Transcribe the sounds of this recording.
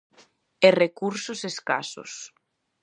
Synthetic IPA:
erekuɾsʊseska̰sʊ̰s

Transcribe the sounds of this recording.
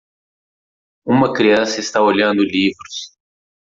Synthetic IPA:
umɐkɾijaːsest̪ɐwoljãːnd̪uliːfɾus

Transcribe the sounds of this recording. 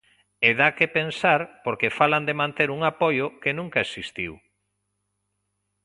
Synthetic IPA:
eðakepensaɾpoɾkefaland̪emãnt̪eɾuŋapojokenũŋkaesist̪iw

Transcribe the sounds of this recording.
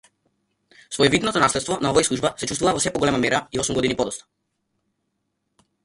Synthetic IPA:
svɔjɛvid̪nɔt̪ɔnaslɛt̪t̪vɔnaɔvajslˠuʒbasɛt͡ʃust̪vuvavɔsɛpɔɡɔlɛmamɛɾaiɔsumɡɔd̪inipɔd̪ɔst̪ḁ

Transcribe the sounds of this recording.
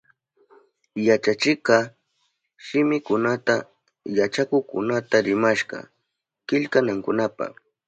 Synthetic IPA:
jat͡ʃat͡ʃɪqɑ | ʃɪmɪkʊnat̪a | jat͡ʃakʊkʊnat̪aɾɪmaʃɢɑ̰ | kɪʎkanaŋkʊnapa̰

